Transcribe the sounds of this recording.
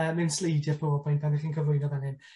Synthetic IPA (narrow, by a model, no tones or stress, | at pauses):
əmɪnslejdjɪrpʰobɔpʰʊjntʰandɪχiːnkʰəvlˠʊjnɔðanɪn